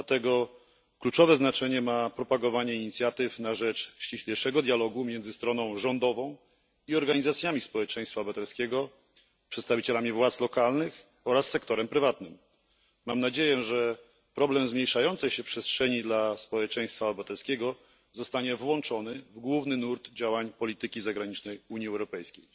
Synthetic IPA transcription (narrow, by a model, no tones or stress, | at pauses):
d̪lat̪ɛɡɔ | klut͡ʂɔvɛznat͡ʂɛɲɛmapɾɔpaɡɔvaɲɛiɲit̪sʲjat̪ɘfnaʐɛt͡ʂɕt͡ɕiɕlʲejʂɛɡɔd̪jalɔɡumʲjɛnd̪zɘst̪ɾɔn̪ɔ̃w̃ʐɔnd̪ɔvɔ̃w̃ | iɔɾɡaɲizat̪sʲjamʲispɔwɛt͡ʂɛj̃st̪fabat̪ɛlskʲɛɡɔ | pʂɛt̪st̪avʲit͡ɕɛlamʲivwat̪slɔkalnɘx | ɔɾasːɛkt̪ɔɾɛmpɾɘvat̪nɘm | mamnad͡ʑejɛʐɛ | pɾɔblɛmzmɲejʂajɔnt̪sɛjɕɛpʂɛstʂɛɲid̪laspɔwɛt͡ʂɛj̃st̪fabat̪ɛlskʲɛɡɔ | zɔst̪aɲɛvwɔnt͡ʂɔnɘvɡwuvnɘnuɾt̪d͡ʑawaɲpɔlʲit̪ɘkʲizaɡɾaɲit͡ʂnɛjuɲiɛwɾɔpɛjskʲej